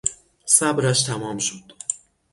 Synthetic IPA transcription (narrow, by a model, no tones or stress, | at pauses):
sæbɾæʃt̪ʰæmɒːmʃod̪̥